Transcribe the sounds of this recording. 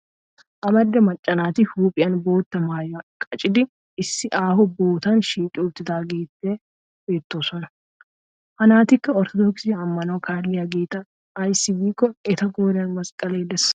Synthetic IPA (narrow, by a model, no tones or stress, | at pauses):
ʔɐmɐd̪ːɐmɐt͡ʃʼːɐnaːt̪ɪhuːpʼɪjɐnbo̞ːt̪ːɐmaːjɐkʼɐt͡ʃʼɪd̪ɪ | ɪsːɪʔaːhɔboːt̪ɐnʃiːkʼɪʊːbt̪ːɪd̪aːɡeːt̪ːeː | be̞ːt̪ːoːsɔnɐ | ʔɐnaːt̪ɪkːɐɔɾt̪ɔd̪ɔksɪjɐːmːɐnoːkʰaːlːɪjɐɡeːt̪ɐː | jsɪbiːkɔɛt̪ɐɡoːɾɐnmɐskʼɐle̞ːd̪ɛs